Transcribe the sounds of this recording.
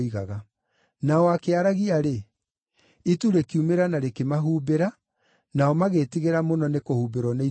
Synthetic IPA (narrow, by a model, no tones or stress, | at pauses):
iɣaɣa | naɔakeaɾaɣiaɾe | ituɾekiumeɾanaɾekemaɦuːbeɾa | naɔmaɣetiɣeɾamonɔnekohubeɾɔnai